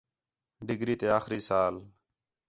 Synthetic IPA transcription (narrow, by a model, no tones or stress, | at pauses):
ɖɪɡʱɾiːt̪eːaːxɾiːsaːl